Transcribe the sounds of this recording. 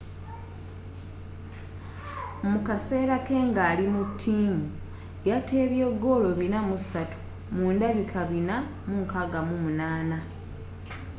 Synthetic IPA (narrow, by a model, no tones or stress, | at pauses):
mukase̞ːɾake̞ːŋɡaːlimutʰːiːmu | jate̞ːβje̞ɡːo̞ːlo̞βinamusatu̥ | muːndaβikʰaβina | muŋkaɡamumunaːna